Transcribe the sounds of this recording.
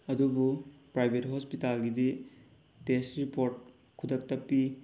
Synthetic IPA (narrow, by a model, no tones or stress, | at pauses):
ɐdubupɾajbʱetɦɔspitalɡidi | testɾipoɾt̚ | kʰudɐk̚tɐpːi